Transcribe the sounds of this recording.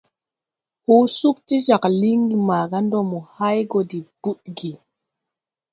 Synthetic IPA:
huː˦su˦kti˦d͡ʒa˨kli˦ŋɡi˨ma˨ɡa˦ndɔ˦˨mɔ˨ha˦jɡɔ˨di˨b̥u˦ɗɡi˨

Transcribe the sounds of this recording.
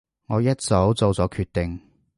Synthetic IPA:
ŋɔː˨˧jɐ˥t̚t͡so˨˥wt͡so˨˧wt͡sɔː˨˥kʰyː˧t̚t̪ːɪ˨ŋ

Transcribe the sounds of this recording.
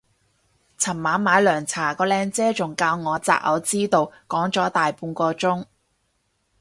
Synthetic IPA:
t͡sʰɐ˨˩mmaː˨˥nmaː˨˧jlœː˨˩ŋt͡sʰaː˨˩kɔː˧lɛː˧ŋt͡sɛː˥t͡sʊ˨ŋkaː˧wŋɔː˨˧t͡sa̰ː˨˩k̚ʔɐ̰˨˧˥wt͡siː˥t̪o˨˧wkɔː˨˥ŋt͡sɔː˨˥t̪aː˨jpuː˧nkɔː˧t͡sʊ˥ŋ

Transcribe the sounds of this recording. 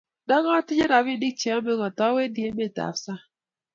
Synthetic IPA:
da˦ɣɔ˦tɪ˦d͡ʒe˦na˨βi˦di˦kt͡ʃe˨o˦me˦ŋɔ˨tɔ˦we˦di˨e˦me˦˨ta̰˨˦sa˦

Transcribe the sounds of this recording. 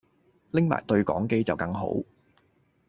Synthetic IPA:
lɪ˥ŋma̰ː˨˩jt̪ɵ˧ɥkɔ̰ː˨˥ŋke˥jt͡sɐ˨wkɐ˧ŋɦo̰˨˥w

